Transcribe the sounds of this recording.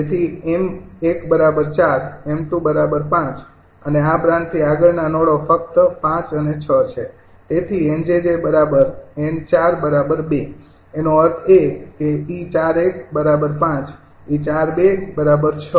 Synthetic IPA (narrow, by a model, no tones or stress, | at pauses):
d͡ʒet̪ʰiemekbəɾabəɾt͡ʃaɾemt̪ũbəɾabəɾpãt͡ʃ | əneapɾãnt̪ʰːiaɡəɭnanoɽofək̚t̪əpãt͡ʃənet͡ʃʰət͡ʃʰe | t̪et̪ʰiend͡ʒed͡ʒebəɾabəɾemt͡ʃaɾbəɾabəɾbe | enoəɾt̪ʰekːeit͡ʃaɾekbəɾabəɾpãt͡ʃ | it͡ʃaɾbebəɾabəɾt͡ʃʰə